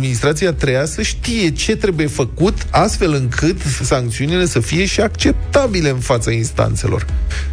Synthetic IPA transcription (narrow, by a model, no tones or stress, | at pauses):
minist̪ɾat̪siat̪ɾejasəʃt̪ije̞t͡ʃe̞t̪ɾe̞buje̞fəkut̪ast̪fe̞lɨŋkʰɨt̪saŋk̚t̪siunile̞səfije̞ʃiakt͡ʃe̞p̚t̪abile̞ɨnfat̪sainst̪a̰nt̪se̞lo̞̰r